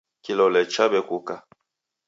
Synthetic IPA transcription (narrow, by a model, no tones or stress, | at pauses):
kilɔlɛt͡ʃabɛkuka